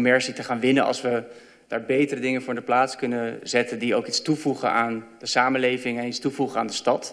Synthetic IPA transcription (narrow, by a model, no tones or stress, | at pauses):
mɛɹsitəχaːnʋɪnənɑ̰lˠsʋə | d̥aːɹbejtərədɪŋəvʊːɹdəplaːtskɵnəzɛtəndiowkitstuvuχə̰ʔaːnd̥əsaːməlejvɪŋɛnitstuvuχəa̰ːndəstɑt